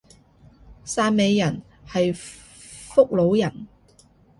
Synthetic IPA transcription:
saː˧n̚me˨˧jːɐ˨˩n | hɐ˨j | fʊ˥k̚lo˨˥wjɐ˨˩n

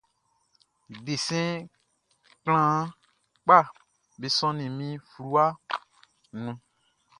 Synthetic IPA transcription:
i˨de˨sɛ̃˦ | kl̃ã˦ | k͡pa˦˨ | be˨sɔ̃˦nĩ˨mĩ˦flu˦a˦ | nũ˧

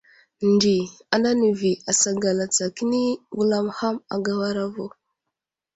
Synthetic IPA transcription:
ndi˨a˨nda˦ni˨vi˨a˨sa˨ɡa˨la˨t͡sa˨ki˦ni˦ɡu˦la˦mha˦ma̰˨ɡa˦wa˦ɾa˦vo˨

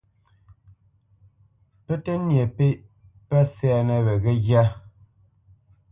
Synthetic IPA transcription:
pɛ˦tɛ˦njɛ˨pe˦ʔ | pɛ˦sɛː˦˨nɛ˨βɛ˨ɣɛ˦ɣja˦

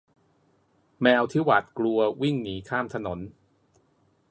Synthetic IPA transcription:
mɛː˧wt̪ʰiː˦˥˩wa˨˩t̪̚klu˧ɐwi˥˩ŋniː˩˦kʰaː˥˩mt̪ʰa˧no˩˦n

